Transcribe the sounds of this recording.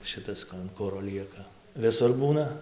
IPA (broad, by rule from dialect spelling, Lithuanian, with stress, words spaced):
ˈʃɨtɐs ɐn ˈkʊroː ˈlʲiɛkɐ ʋʲɪˈsʊr ˈbuːnɐ